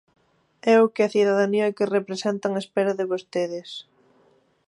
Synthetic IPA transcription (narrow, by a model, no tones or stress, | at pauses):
ɛʊkɪɐθiðaðaniɐkɪrepɾesɛnt̪ɐŋɐespɛɾɐðɪβost̪eðɪs